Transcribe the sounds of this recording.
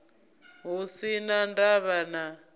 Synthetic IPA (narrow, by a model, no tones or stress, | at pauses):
ɦusinandaβana